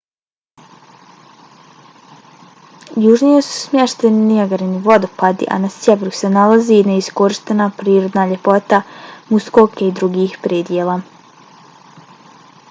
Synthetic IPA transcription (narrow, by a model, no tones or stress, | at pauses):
juːʒnijesu̥smʲjeʃt̪eniiaɡaɾiniʋo̞d̪opad̪ḭʔa̰nasjeʋeɾusenalazineisko̞ɾiʃt̪enapɾiːɾo̞d̪naːʎe̞po̞t̪amuskokeid̪ɾuɡiːhpɾeːd̪jeːlˠaː